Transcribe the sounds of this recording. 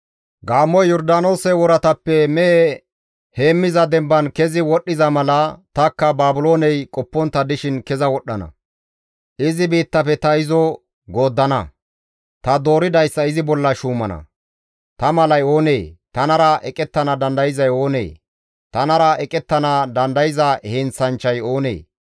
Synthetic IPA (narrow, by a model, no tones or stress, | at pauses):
ɡaːmːɔjːɔɾd̪aːno̞ːsɛwɔɾɐt̪ɐpːɛmɛʔe | he̞ːmːɪzɐd̪ɛmbɐnkɛzɪwɔɗːɪzɐmɐlɐt̪ɐkːɐbaːbʊlo̞ːnɛjkʼɔpːɔnt̪ːɐd̪ɪʃɪnkɛzɐwɔɗːɐnɐ̰ | ʔɪzɪbiːt̪ːɐfɛt̪ɐɪzɔ | ɡo̞ːd̪ːɐnɐ̰ | t̪ɐd̪o̞ːɾɪd̪ɐjsːɐɪzɪbɔlːɐʃuːmɐnɐ̰ | t̪ɐmɐlɐjo̞ːneːt̪ɐnɐɾɐʔɛkʼɛt̪ːɐnɐd̪ɐnd̪ɐjɪzɐjo̞ːnḛː | t̪ɐnɐɾɐɛkʼɛt̪ːɐnɐd̪ɐnd̪ɐjɪzɐhɛnt͡sːɐnt͡ʃːɐjo̞ːnḛː